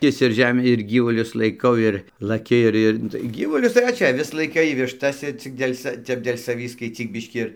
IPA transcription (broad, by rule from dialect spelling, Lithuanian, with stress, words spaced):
ˈkʲɪs ɪr ˈʒʲæːmʲiː ɪr ˈɡʲiːʋʊlʲʊs lˠɐɪˈkɐʊ ɪr lˠɐˈkʲɪ ɪr ˈɪr ˈnʊ tɐɪ ˈɡʲiːʋʊlʲʊs tɐɪ ʋɐ ˈt͡ʃʲɛ ɐˈʋʲɪs lˠɐɪˈkɐɪ ʋʲɪʃˈtɐs ɪ ˈt͡sʲɪk dʲeːlʲ sɐ ˈtʲɛp dʲeːlʲ sɐˈʋʲiː skɐɪt͡sʲiːk ˈbʲɪʃʲkʲiː ɪr